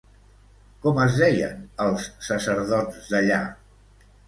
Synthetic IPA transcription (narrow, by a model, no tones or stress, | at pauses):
kɔməzðɛjə̰nəlˠsːəsəɾðɔd͡zd̪əʎa